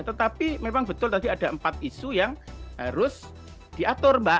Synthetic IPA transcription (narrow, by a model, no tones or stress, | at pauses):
t̪ət̪apimemaŋbət̪ʊlt̪adiad̥aəmpat̪̚isujaŋɦaɾʊs | d̥iʔat̪ʊrmba